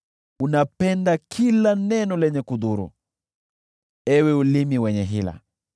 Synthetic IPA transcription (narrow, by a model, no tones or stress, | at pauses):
unapɛndakʰilanɛnɔlɛɲɛkuðuɾṵ | ɛwɛulimiwɛɲɛɦila̰